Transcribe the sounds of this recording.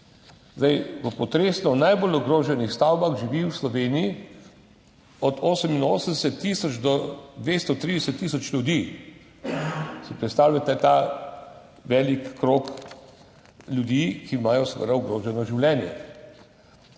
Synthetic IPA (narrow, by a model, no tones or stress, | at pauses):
zd̪ajʋəpɔt̪ɾeːsnɔnajbolɔɡɾoːʒɛnixst̪awbaxʒiʋiːwslɔʋeːniji | ɔd̪oːsəminoːsənd̪ɛsɛt̪ːisɔt͡ʃd̪ɔd̪ʋeːst̪ɔt̪ɾid̪ɛsɛt̪ːiːsɔt͡ʃlʲjud̪iː | sipɾɛt̪st̪aːwlʲat̪ɛt̪aː | ʋɛːlikːɾoːk | lʲjud̪iːkiːmaːjɔsʋə̰d̪aɔɡɾoːʒɛnɔʒiwlɛːnjɛ̰